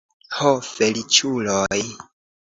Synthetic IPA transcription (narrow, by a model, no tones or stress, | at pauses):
hofe̞lit͡ʃuloj